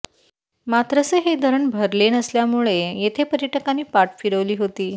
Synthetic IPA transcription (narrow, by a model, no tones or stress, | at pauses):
mat̪ɾəsəɦed̪ʱəɾəɳbʱəɾlenəsljamuɭejet̪ʰepəɾjəʈəkaniːpaʈfiɽəʋliːɦot̪iː